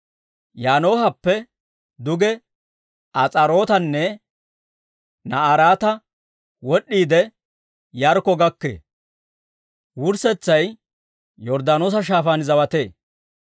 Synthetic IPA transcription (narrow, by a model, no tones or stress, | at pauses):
jaːno̞ːhɐpːɛ | d̪ʊɡɛ | ɐt͡sʼɐɾo̞ːt̪ɐnːɛ | nɐʔaɾaːt̪ɐ | wɔɗːiːd̪ɛ | jɐɾkɔɡɐkːḛː | wʊɾsɛt͡sːɐj | jɔɾd̪aːno̞ːs̬ɐʃ̬aːfaːnzɐwɐt̪e̞ː